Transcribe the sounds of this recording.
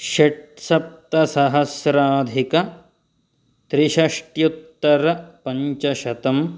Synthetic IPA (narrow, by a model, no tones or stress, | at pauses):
ʃeʈsɐp̚t̪ɐsɐɦɐsɾaːd̪ʱikɐ | t̪ɾiʃɐʂʈjut̪ːɐɾɐpɐɲt͡ʃɐʃɐt̪ɐm